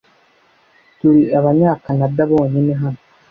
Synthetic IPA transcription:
tuɾiaβaɲaːkanadaβo̞ːɲineɦano

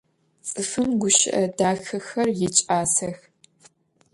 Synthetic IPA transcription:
t͡sʼɨfɨmɡʷʊʃɪ̰ʔɐdaːxɐxɐrjɪt͡ʃʼaːsɐx

